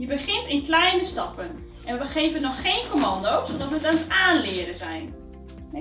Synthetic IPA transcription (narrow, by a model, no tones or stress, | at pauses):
jəbəxɪntɪnklɛjnəstɑpən | ʔɛnʋəbəxejvənɔxːeːnkomɑndowzodɔtʋəətanətaːnlɪədəzɛjn